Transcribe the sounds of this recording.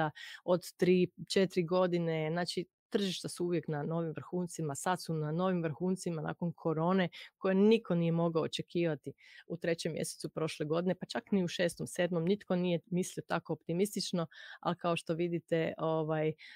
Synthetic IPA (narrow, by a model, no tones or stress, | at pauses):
aod̪t̪ɾiːt͡ʃet̪ɾiɡo̞d̪ine̞znaːt͡ʃi | t̪r̩ʒiʃt̪asuuʋje̞knano̞ʋimʋɾ̩xuːnt̪simasad̪sunano̞ʋimʋɾ̩xuːnt̪simana̰ːko̞nkʰo̞ɾo̞ːne̞ko̞jenikʰo̞nije̞mo̞ɡaoːt͡ʃekʰiːʋat̪iut̪ɾe̞t͡ɕemːjḛset̪supɾo̞ːʃle̞ɡo̞d̪ine̞pat͡ʃakniuʃe̞ːst̪omseːd̪mo̞mnit̪ko̞nije̞misliot̪ako̞ːpt̪imist̪it͡ʃno̞a̰likao̞ʃt̪o̞ʋid̪it̪e̞ʔoʋaj